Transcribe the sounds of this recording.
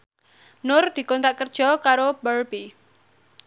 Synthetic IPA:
nʊrd̪̥i̤kɔnt̪ɾaʔkərd̥ʒ̥ɔ̤kaɾobərbi

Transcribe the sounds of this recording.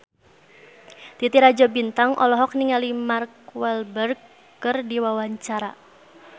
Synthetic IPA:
t̪it̪iɾad͡ʒɔbint̪aŋʔɔ̰lɔɦɔk̚niŋalimarkwɛlbərkː | ərdiwawaɲt͡ʃaɾa

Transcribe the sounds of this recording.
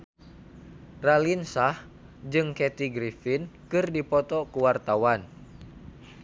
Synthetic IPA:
ralinsah | d͡ʒɨŋkɛt̪iɡɾifinkɨrdipɔt̪ɔkuwart̪awan

